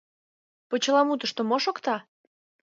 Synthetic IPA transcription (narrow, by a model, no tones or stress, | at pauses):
pot͡ɕəlɑmut̪əʃt̪omoʃokt̪ɑ